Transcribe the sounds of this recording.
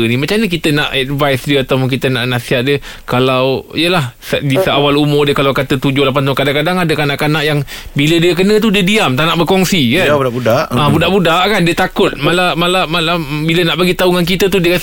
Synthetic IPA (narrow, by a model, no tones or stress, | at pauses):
nimat͡ʃamɲak̬it̪ənaʔɛd̚vajsdiəat̪awpʊŋk̬it̪ənaʔnasiɦat̪̚diə | kalawijəlahsədisəawalumʊrdiəkalawkat̪ət̪ud͡ʒohlap̬anaunkadaŋkadaŋadəkanaʔkanaʔjaŋbilədiək̬ənə̃t̪udiədiamt̪anaʔbəkɔŋsikanuaʔbudaʔãbudaʔbudaʔkandiət̪akʊt̪̚malamalamalabilənaʔbaɡit̪auŋank̬it̪ət̪̬udiəkas